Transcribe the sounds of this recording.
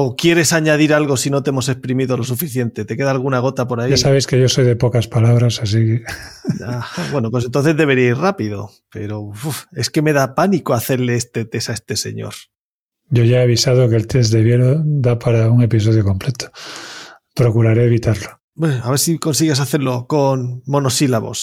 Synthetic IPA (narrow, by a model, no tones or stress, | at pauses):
okje̞ɾe̞saɲað̞iɾalɣo̞sinot̪eemo̞s̬e̞hpɾimiðo̞lo̞s̬ufiθje̞nt̪e̞t̪e̞ke̞ðaːlɣ̞unaɣ̞o̞t̪apo̞ɾaiʝasaβe̞jskeʝo̞so̞jðe̞pokaspalaβ̞ɾasas̬ikeaaβwe̞nopwes̬nt̪onθe̞zðe̞β̞e̞ɾiairapiðo̞̰ | pe̞̰ɾo̞fufeske̞me̞ðapanikoaθe̞ɾleest̪e̞t̪e̞saest̪e̞se̞̰ɲo̞̰ɾ | ɟ͡ʝo̞ʝaeaβ̞isaðokelt̪ez̬d̪eβjeɾod̪apaɾauŋe̞pis̬oð̞joko̞mplet̪ʰo̥ | pɾo̞kuɾaɾeːβit̪aɾlo | beaβeɾsiko̞nsiɣesaθe̞ɾlo̞konmo̞no̞silaβo̞̰s